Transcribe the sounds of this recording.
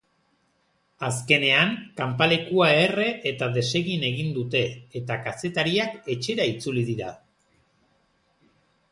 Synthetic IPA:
aske̞ne̞aŋkampale̞kuaere̞ʔet̪aðe̞se̞ɣine̞ɣ̞ind̪ut̪e̞ːt̪akase̞t̪aɾiake̞t͡ʃe̞ɾait͡sulið̞iɾa

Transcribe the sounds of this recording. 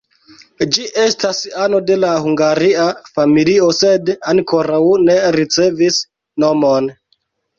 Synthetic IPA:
d͡ʒiʔe̞stasano̞de̞lahuŋɡaɾiafamilio̞se̞daŋko̞ɾawne̞ɾit͡se̞vis | no̞mo̞n

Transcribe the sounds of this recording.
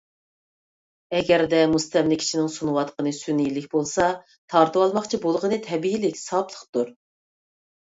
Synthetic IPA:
ɛɡʲɛɾd̪ɛmust̪ɛmlɪkʲʰi̥ʃinɪŋsunɨwɑt̪qənɨsynijilɪkʲbolˠsɑ | t̪ʰɑɾt̪ɨwɑlˠmɑχt͡ʃʰibolˠʁənɨt̪ʰɛbiilɪkʲsɑplˠə̥χt̪uɾ

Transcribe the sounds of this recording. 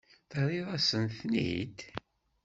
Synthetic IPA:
θəɾˤiðˤæsənθnḭd̪

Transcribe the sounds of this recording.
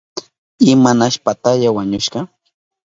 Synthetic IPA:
ɪmanaʃpat̪aʎawaɲʊʃɢɑ

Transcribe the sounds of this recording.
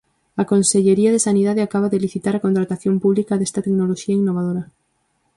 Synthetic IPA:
akonseʎeɾiaðesaniðaðeakaβ̞aðeliθit̪aɾakont̪ɾat̪aθjompuβlikaðest̪at̪eknoloʃiainːoβað̞oɾa

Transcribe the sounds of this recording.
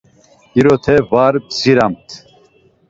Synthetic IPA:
iɾɔt̪ʰɛvaɾbziɾamt̪ʰ

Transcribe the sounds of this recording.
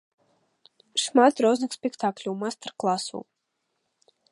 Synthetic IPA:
ʃmat̪ɾɔznaksʲpʲɛkt̪ʰaːklʲuːmast̪aɾklˠasṵː

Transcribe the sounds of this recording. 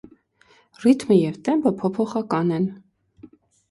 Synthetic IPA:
rit̪məjɛvt̪ɛmbəpʰɔpʰɔχɑkɑnɛn

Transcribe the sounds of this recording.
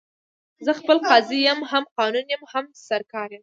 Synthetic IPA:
zəxpəlqɑzijəmɦamqɑnunjəmhamsaɾkɑɾjəm

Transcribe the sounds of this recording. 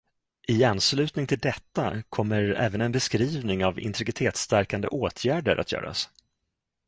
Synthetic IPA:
ʔɪanːslʉ̟ːt̪nɪŋt̪ʰɪld̪ɛt̪ːa̰kʰɔmːəɾɛ̰ːvənɛnbɛskɾiːvnɪŋavɪ̰nt̪ɾɪɡɪt̪ʰeːt̪st̪æɾkand̪ə̰ʔoːt̪ʰjæːɖəɾʔat̪jœ̰ːɾʔa̰s

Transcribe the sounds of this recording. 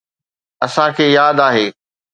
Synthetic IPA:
ɐsãkʰeːjaːd̪aːɦeː

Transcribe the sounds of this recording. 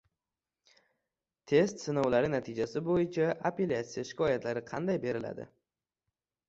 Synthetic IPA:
t̪ʰe̞st̪sɪnɒwlaɾɪnat̪ʰɪd͡ʒasɪbojɪt͡ʃʰaʔapelʲat̪sijaʃɪ̥kʰɒjat̪ʰlaɾɪqʰɑ̰nd̪ajbe̞ɾɪla̰d̪ɪ̰

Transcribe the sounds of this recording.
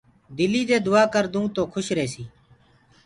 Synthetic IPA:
d̪ɪliːd̪eːd̪ʊaːkəɾd̪ũːt̪oːkʰʊʃɾeːsiː

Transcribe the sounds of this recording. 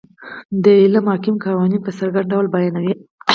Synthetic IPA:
d̪əɪlamhɑkɪmkɑwɑninpəsaɾɡaɳɖawlbajɑnawi

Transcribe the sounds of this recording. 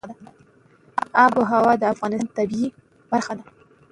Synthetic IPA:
d̪a | abəɦawɑd̪əafɣɑnɪsnt̪abii | b̥aɾxad̪a

